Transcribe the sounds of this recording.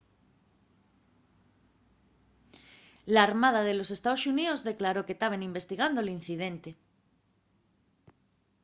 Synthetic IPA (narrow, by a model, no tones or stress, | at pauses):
laːɾmað̞að̞e̞lo̞se̞st̪aðosuniozðe̞klaɾo̞ket̪aβ̞enimbe̞st̪iɣand̪olinθiðe̞nt̪e̞